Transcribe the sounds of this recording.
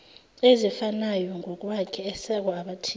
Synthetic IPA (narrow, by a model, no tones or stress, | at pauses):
ezifanajɔŋʱɔk̬ʼwakʰɛɛsɛk̬ɔaɓatʰi